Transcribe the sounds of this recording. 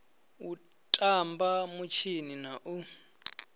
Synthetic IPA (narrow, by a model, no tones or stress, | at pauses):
u | tʼambamut͡ʃʰininaʔu